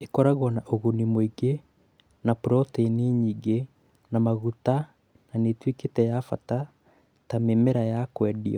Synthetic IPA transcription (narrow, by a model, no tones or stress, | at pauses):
ekɔɾaɣwɔnaʔoɣonimoiɡe | napuɾɔteneɲiɡe | namaɣuta | nanetweketɛjafa̰ta | tamemɛɾajakwɛdḭɔ̰